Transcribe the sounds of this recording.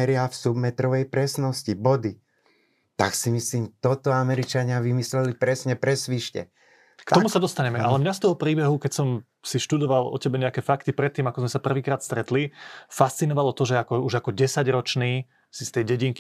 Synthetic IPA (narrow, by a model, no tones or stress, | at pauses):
ɛɾɪafsubmɛt̪ɾɔʋɛjpɾɛsnɔscibɔd̪i | t̪aksimisliːmt̪ɔt̪ɔamɛɾit͡ʃaɲɪaʋimislɛlipɾɛsɲɛpɾɛsʋiʃcɛ̰ | kt̪ɔmusad̪ɔst̪aɲɛmɛʔa̰lɛmɲast̪ɔɦɔpɾiːbɛɦukɛcsɔm | siʃt̪ud̪ɔʋalɔ̰cɛbɛɲɛakɛfakt̪ipɾɛt̪ːiːmakɔzmɛsapr̩ʋiːkɾaːt̪st̪ɾɛt̪lifast̪t͡sinɔʋalɔt̪ɔʒɛakɔuʒakɔɟɛsaɟɾɔt͡ʃniː | sist̪ɛjɟɛɟiŋk